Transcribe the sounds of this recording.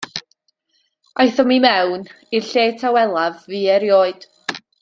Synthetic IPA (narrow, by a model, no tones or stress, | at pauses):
ajθɔmimɛwn | irɬeːtʰawɛlˠavːiːɛɾjoːɨd̥